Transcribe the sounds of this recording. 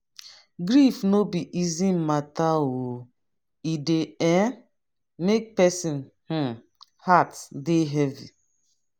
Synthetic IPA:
ɡɾifnobiʔizĩmatawo | ideɛ̃ | mek̚pɛsĩn | h̩ | hatdeɦɛvḭ

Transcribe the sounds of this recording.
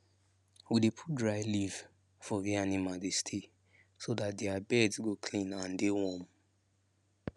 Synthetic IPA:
widepʰut̚dɹaɪliv | fɔvianimadestʰe | sodatdeabɛdsɡokʰlĩnãndewɔ̃m

